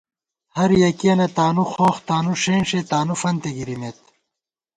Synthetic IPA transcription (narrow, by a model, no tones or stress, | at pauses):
hɐɾjɐkijɐnɐt̪aːnuxoːxt̪aːnuʂeːnʂet̪aːnufɐnt̪eɡiɾimeːt̪